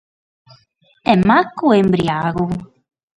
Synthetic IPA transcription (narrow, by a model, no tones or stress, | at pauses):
ɛmakːuembɾiaɣʊ